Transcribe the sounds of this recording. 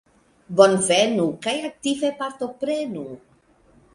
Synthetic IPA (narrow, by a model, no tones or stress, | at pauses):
bonvenukajak̚t̪ivepaɾt̪o̞pɾenu